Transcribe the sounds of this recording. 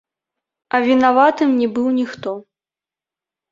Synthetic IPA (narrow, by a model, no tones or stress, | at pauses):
ɐvʲinavat̪ɨmnʲɛbɨwnʲixt̪ɔ